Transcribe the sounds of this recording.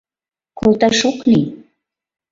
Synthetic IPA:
kolt̪ɑʃokni

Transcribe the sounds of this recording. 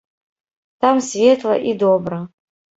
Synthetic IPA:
t̪amsvʲet̪lˠɐ̰ʔid̪obɾɐ

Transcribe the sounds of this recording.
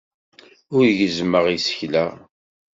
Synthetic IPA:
ʊɾjəzməʁisə̥çlæ

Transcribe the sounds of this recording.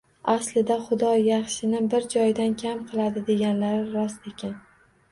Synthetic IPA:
aslɪd̪aχʊd̪ɒjaχʃɪnɪbɪɾd͡ʒɒjd̪ankʲʰamqʰɨlˠad̪ɪd̪e̞ɡʲanlaɾɪɾɒst̪ekʲʰan

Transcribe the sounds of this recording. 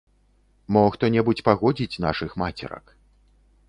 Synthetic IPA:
mɔxt̪ɔnʲɛbut͡sʲpaɣɔd͡zʲit͡sʲn̪a̰ʂɨxmat͡sʲɛ̰ɾɐ̰k

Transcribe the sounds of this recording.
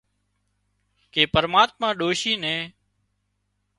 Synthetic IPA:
keːpəɾmaːt̪̚mãːɗoːʃiːnɛ̃ː

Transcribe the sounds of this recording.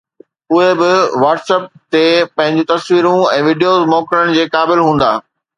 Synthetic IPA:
ʊɦebɪʋaːʈsɛːp̚t̪epɐ̃ɦɪ̃ɲd͡ʑũːt̪ɐsʋiːɾũɛ̃ːʋiːɖijoːzmɔːkɪɾəɽ̃d͡ʑeːkaːbɪlɦũːn̆d̪a̰ː

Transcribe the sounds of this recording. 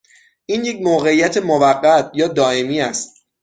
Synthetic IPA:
ʔiːnje̞c̚moːɣe̞ijæt̪ʰe̞movæɢːæt̪ʰjɒːd̪ɒːe̞miːæst̪̚

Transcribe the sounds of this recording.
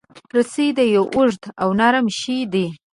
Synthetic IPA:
pɾət͡sid̪əjowʔʊʐd̪awnaɾəmʃid̪i

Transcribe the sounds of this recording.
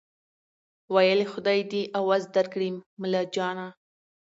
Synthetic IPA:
wajəlexʊd̪ɑjd̪iʔawazd̪aɾkɽimmːəlad͡ʒɑna

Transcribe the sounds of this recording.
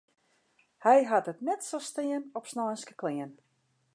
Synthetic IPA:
hɛjɦatətnɛtsostɪənɔpsnɔːnskə̥klɪən

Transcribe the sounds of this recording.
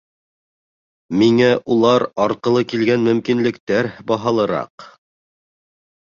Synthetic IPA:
miŋæʔulˠɑɾɑɾqɤ̆lˠɤkilɡænmɵ̆mkinlɘ̆kt̪æɾbɑɦɑlˠɤ̆ɾɑ̰q

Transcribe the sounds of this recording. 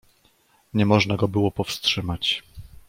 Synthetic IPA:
ɲɛmɔʐnaɡɔbɘwɔpɔfstʂɘmat͡ɕ

